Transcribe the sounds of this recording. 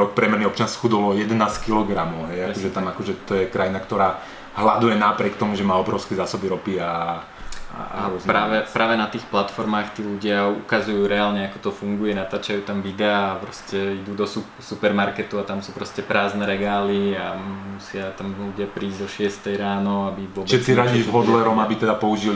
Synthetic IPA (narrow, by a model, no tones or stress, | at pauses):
ɾɔk̚pɾɛmɛɾniɔp̚t͡ʃɪansi̥xud̪ɔlɔjɛd̪ɛnaːskilɔɡɾamɔʊɦɛjakɔʒɛt̪amakɔʒɛt̪ɔjɛkɾajinakt̪ɔɾaː | ɦlad̪ujɛnapɾɪɛk̚t̪ɔmuʒɛmaːɔbɾɔʊskɛzaːsɔbiɾɔpia | a̰aɾɔznpaːʋɛpɾaːʋɛnat̪iːxplat̪fɔɾmaːxt̪iːluɟɪaṵkazujuːɾɛaːlɲɛakɔ̥t̪ɔfuŋɡujɛnat̪aːt͡ʃajuːt̪amʋid̪ɛaːpɾɔscɛid̪uːd̪ɔsupsupɛɾmaɾkɛt̪uat̪amsuːpɾɔscɛpɾaːznɛɾɛɡaːliamusɪat̪amluɟɪapɾiːzd̪ɔʃɪɛst̪ɛjɾaːnɔabiʋʊɔʃɛsiɾaiːʒɦɔd̪lɛɾɔmabit̪ɛd̪apɔuʒil